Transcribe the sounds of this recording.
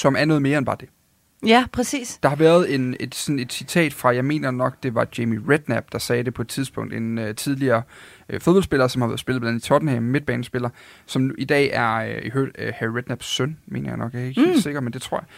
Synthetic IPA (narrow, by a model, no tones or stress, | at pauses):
sɒ̽mæɐnɔ̽ːð̞ˠme̝ːɐenbɑ̈ːd̥e̝ | æpʰʁɛsḭːsd̥ɑ̈hɑ̈ʋæːɐð̞̩ˠe̝ne̝d̥sɒ̽ne̝d̥sit͡sʰɛ̰ːd̥fʁɑ̈jɑ̈ɪme̝̰ːnɐnɒ̽ɡ̥d̥e̝ʋɑ̈d̥emiʁed̥næb̥̚d̥ɑ̈sɛːɾ̥e̝pʰɒ̽e̝d̥̚t͡sʰiðˠsb̥ɔ̽ŋ̰d̥enøt͡sʰið̞ˠliɐː | fo̝ðˠbɒ̽lsb̥e̝lɐːsɒmhɑ̈ʋæɐðˠse̝lð̩ˠb̥lænt͡sʰɒd̥n̩hemːed̥̚b̥ɛːnəsb̥e̝lɐsɒ̽mnuʔid̥ɛ̰ːæɐihøɐd̥hæʁed̥næb̥sønmḛːnɐjɑ̈ɪnɒ̽ɡ̥jakʰeɡ̥he̝̰lse̝ɡ̥ɐd̥̚mend̥e̝t͡sʰʁoɐ̰ja